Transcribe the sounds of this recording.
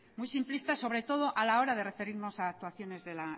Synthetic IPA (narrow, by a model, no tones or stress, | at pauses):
mujsimplist̪aso̞βɾe̞t̪o̞ð̞o̞ʔalao̞ɾaðe̞re̞fe̞ɾiɾno̞saːk̚t̪uaθjo̞ne̞zðe̞la